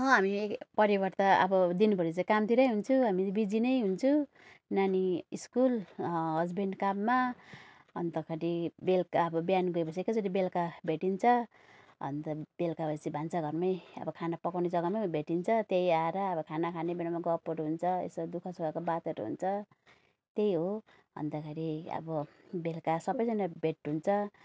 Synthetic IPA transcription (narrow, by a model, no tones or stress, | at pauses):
ɦʌ̃ɦamipʌɾibʌrt̪aʌ̰bʌd̪inpʌɾit͡sãjkamt̪ʰiɾʌjɦunt͡sʰuɦamibid͡zinʌjɦunt͡sʰu | naniiskulɦʌd͡zbeɳɖkabma | ʌnt̪ʌkʰʌʈibelkaʌbʌbjanɡoepʌsʰiekʌd͡zʌɾibelkabʱeʈint͡sʰʌ | ɦʌ̰nt̪ʌb̥elkabʱʌsibʱant͡sʰaɡʱʌrmʌjʌ̰bʌkʰanapʌkawned͡zʌɡʌmʌbʱeʈint͡sʰʌt̪ejaeɾʌːbʌkʰanakʰanebenamaɡʌpoɾuɦunt͡sʰʌḛsʌd̪ukʰʌsuɡakobat̪eɾuɦṵnt͡sʰʌ | t̪ejɦo | ɦʌ̰nd̪akʰeɾiʌ̰bʌ | belkasʌbʌjd͡zʌnabʱeʈɦunt͡sʰʌ